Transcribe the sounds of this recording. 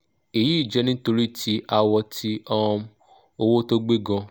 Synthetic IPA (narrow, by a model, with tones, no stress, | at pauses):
e˨ji˨˦i˦˨d͡ʒɛ˧nĩ˦to˧ɾi˦tʰi˧˦ʔa˧wɔ˧tʰi˦ɔ˦˧ | o˧wo˦to˦ɡ͡be˦ɡɔ̃˧